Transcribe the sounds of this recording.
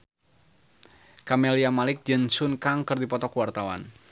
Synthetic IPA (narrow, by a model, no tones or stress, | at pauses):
kameliamalɪk̚d͡ʒɛnsʊnkaŋkərdipɔt̪ɔkuwart̪awa̰n